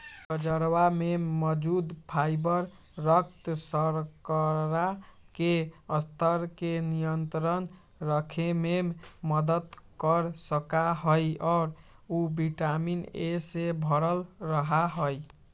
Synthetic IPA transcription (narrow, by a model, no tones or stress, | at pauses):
kəd͡ʒəɾwameməd͡ʒud̪pʰajbəɾ | ɾəkt̪səɾkəɾa | keəst̪ʰəɾkenijənt̪ɾən | ɾəkʰememməd̪ət̪kəɾsəkaɦojɔːɾ | ubiʈaminesebʱəɾəlɾəɦaɦoj